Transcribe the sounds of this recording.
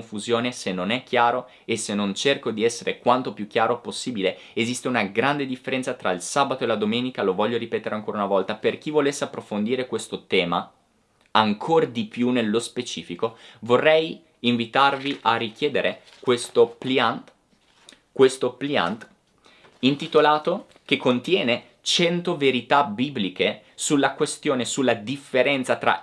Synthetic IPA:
ɱfuzjoːnesenːonɛkːjaːɾo | esenːont͡ʃerkod̪iɛsːeɾekwant̪opjuk̟ːjaːɾoposːiːbile | ezist̪eunaɡɾand̪ed̪ifːeɾɛnt̪sat̪ɾailsaːbat̪oelad̪omeːnikalovɔʎːoɾipɛːt̪eɾeaŋkoːɾaunavɔlt̪aperk̟ivolesːeapːɾofond̪iːɾekwest̪ot̪ɛːma | aŋkʰord̪ipjunelːospet͡ʃiːfikovorːɛj | iɱvit̪arviʔarːik̟jɛːd̪eɾʔe | kwest̪oplan | kwest̪oplia̰nt̪ | int̪it̪olaːt̪o | k̟ekːont̪jɛːne | t͡ʃɛnt̪oveɾit̪abiblike | sulːakwest̪joːnesulːad̪ifːeɾɛnt̪sat̪ɾa̰

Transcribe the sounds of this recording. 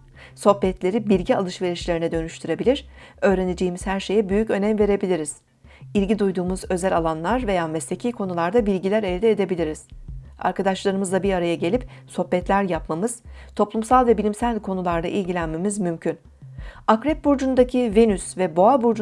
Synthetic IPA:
so̞hpɛt̪lʲe̞ɾibilʲɟia̰lˠɯʃve̞ɾiʃlʲe̞ɾinɛd̪ø̞nyʃt̪ʰyɾe̞bilʲiɾ̥ø̞ːɾened͡ʒejːmiz̥hæɾʃe̞jɛbyjycø̞nɛmve̞ɾe̞bilʲiɾiz̥ | ilʲɟid̪ujd̪uːmuzø̞zælʲalˠanlˠaɾve̞jaːmɛst̪ʲecʰijkʰo̞nulˠaɾd̪abilʲɟilʲæɾeld̪ʲɛed̪e̞bilʲiɾiz̥a̰ɾkad̪aʃlˠaɾɯmɯzd̪abiɾaɾajaɟe̞lʲipso̞hpɛt̪lʲæɾjapmamɯz̥t̪ʰo̞plˠumsalˠvɛbilʲimsælʲkʰo̞nulˠaɾd̪a̰ʔilʲɟilʲænme̞mizmymcʰyn | akɾɛp̚buɾd͡ʒund̪acʰivenysvɛbo̞abuɾd͡ʒ

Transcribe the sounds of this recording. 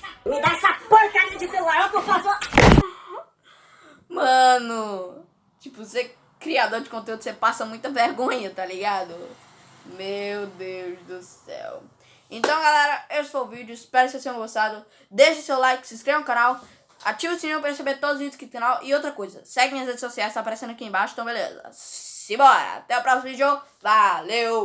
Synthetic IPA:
mɪd̪aɛsɐpoɾk̪aɾiɐd͡ʒɪt̪ewlaɾopoɾfavoɾ | mɐ̃nʊ | t͡ʃipʊse | kɾiad̪oɾd͡ʒɪkõt̪̬eud̪ʊ̥sepasɐmũj̃t̪ɐveɾɡõɲɐt̪aliɡad̪ʊ | mewd̪ewzd̪ʊsɛ̰w | ẽnt̪ɐ̃w̃ɡalɛɾɐewsfoʊvid͡ʒʊispɛɾʊksesẽʒ̃ɡost̪ad̪ʊ | d̪eʃʊsewlajkɪ̥sĩskɾevɐ̃kãnaw | a̰t͡ʃivʊsĩɲõw̃pɾɐɾeɾsebeɾt̪od̪ʊzzvid͡ʒʊskɪkãnawʔɪowt̪ɾɐkojzɐsɛɡẽj̃ɐshed͡ʒɪsosiajzt̪apaɾesẽnd̪ʊɐkiẽbaʃʊ̥̃t̪ɐ̃w̃belḛzɐ̰sɪbɔɾɐ̰a̰t̪ɛapɾasimɐɪd͡ʒovalew

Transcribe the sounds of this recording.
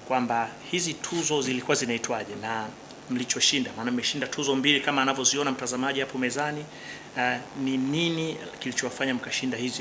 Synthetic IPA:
kwambahizitʰuzɔzilikuwazinaitwaʄɛna | m̩lit͡ʃɔʃindamaːnam̩mɛʃindatʰuzɔmbilikamaːnavjɔziɔnam̩tazamaʄihapɔmɛzani | nininikilit͡ʃɔwafaɲam̩kaʃindahizi

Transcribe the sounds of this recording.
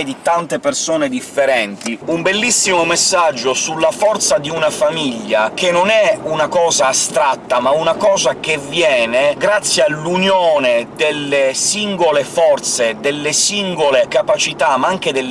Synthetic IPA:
d̪it̪ant̪epersoːned̪ifːeɾɛnt̪iumbelːisːimomesːad͡ʒːosulːafɔrt̪sad̪iunafamiʎːakenːonɛunakɔːzaːst̪ɾat̪ːamaunakɔːzak̟evːjɛːneɡɾat̪sːjealːunjoːned̪elːesiŋɡolefɔrt̪sed̪elːesiŋɡolekapat͡ʃit̪amːaaŋk̟ed̪el

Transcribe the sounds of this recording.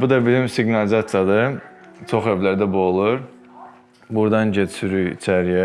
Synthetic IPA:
bud̪ɑbilimsiɡnɑlizɑt̪ijɑd̪ɯ | t͡ʃʰoχevlæɾd̪æbolˠuɾ | buɾd̪ɑnd͡ʒɛsʰyɾyt͡ʃʰæɾijɛ

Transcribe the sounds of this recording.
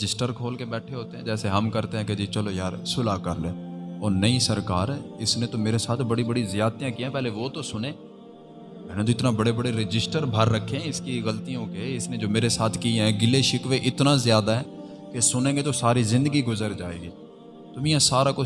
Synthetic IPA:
d͡ʒɪsʈəɾkʰoːlkebɛːʈʰeɦoːt̪eɦɛ̃ːd͡ʒɛːseɦəmkəɾt̪eɦɛ̃ːked͡ʒit͡ʃəlojaːɾsʊlakəɾleːɔːɾnəisəɾkaːɾɛːɪsnet̪omeːɾesaːt̪ʰbɐɽibəɽizjaːd̪̚t̪jãkijãːpɛɦleʋoːt̪osʊnẽː | mɛːnet̪̬oɪt̪nabəɽebəɽeɾɪd͡ʒɪsʈəɾbʱəɾːəkʰːeɦɛ̃ɪskiɣəlt̪ijõkeɪsned͡ʒoːmeːɾesaːt̪ʰkiɛ̃ːɡɪleʃɪkʋeʔɪt̪nazjaːd̪aɦɛː | kesʊnẽːɡet̪osaːɾizɪ̃nd̪əɡiɡʊzəɾd͡ʒaːḛːɡiː | t̪ʊmĩjãːsaːɾako

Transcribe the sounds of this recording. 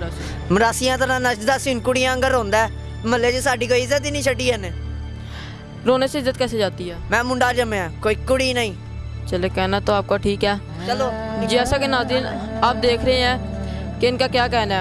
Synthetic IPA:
ɾːs | məɾaːsijãːt̪əɾãːnəʃd̪aːsinkʊɽijãːŋɡəɾõːnd̪aː | məlːeːd͡ʒsaːɖiːkoːiɪzət̪iːnĩːt͡ʃʰəɖiːɦəneː | ɾoːneːseɪzːət̪kɛːseːd͡ʒaːt̪iːɦɛːmɛ̃ːmʊ̃ɳɖaːɾd͡ʒəmẽːãːkoːiːkʊɽiːnəĩː | t͡ʃəleːkɛːnaːt̪õaːp̚kaːʈʰiːkɛː | t͡ʃəloːd͡ʒiːɛːsaːkenaːziːnaːp̚d̪eːkʰɾəeːɛ̃ː | keɪnkaːkjaːkɛːnɛː

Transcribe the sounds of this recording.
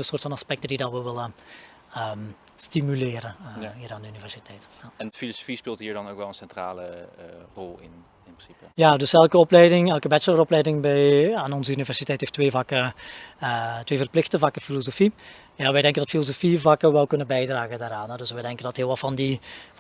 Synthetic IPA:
ənsoːrtfɑnɑspɛk̚təndidɑnʋəʋɪlə | əːm | stimylɪːɾənəɦiːɾaːndəynivɛrsitʰɛjtjaɛnfiloso̥fispɪːlˠtɦiːɹdɑnowkʋɛlˠənsɛntra̰ːlərɔlˠɪ̰n | ɪnpɪnsipəjadɵsɛlˠkəɔplɛjdɪŋɛlˠkəbɛt͡ʃələɾɔplɛjdɪŋbɛjaːnɔnzəynivɛrsitɛjtheːftːʋeːvɑkə | tʋeːvərplɪxtəvɑkəfilozofi | jaːʋɛjdɛŋkəndɑtfilozofivɑkəʋɛlˠkɵnəbɛjdraːɣəndaːɾaːnɦɛdɵsʋɛjdɛŋkəndɑtɦɪːlˠʋɑlˠfɑndi

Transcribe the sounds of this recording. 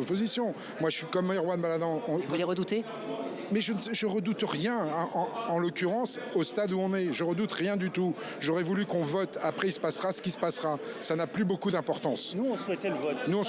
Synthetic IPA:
pozisjɔ̃ | mwaʒəsikɔmjʁwanmalad̪ɑ̃ɔ̃vuleʁəd̪ut̪e | mɛʒənsʒəʁəd̪ut̪ʁjɛ̃ʔɑ̃ːlɔkʲyʁɑ̃sost̪ad̪uɔ̃nɛʒəʁəd̪ut̪ʁjɛ̃d̪yt̪u | ʒɔʁɛvulykɔ̃vɔt̪apχɛilsə̥pasʁasə̥kʲisə̥pasʁasanaplybokud̪ɛ̃pɔʁt̪ɑ̃snuɔ̃swɛt̪ɛləvɔt̪nuɔ̃

